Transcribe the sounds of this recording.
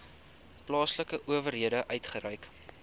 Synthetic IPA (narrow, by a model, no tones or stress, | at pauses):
plɑːsləkəʔuəvərɦiədəʔœɥtχəɾœɥk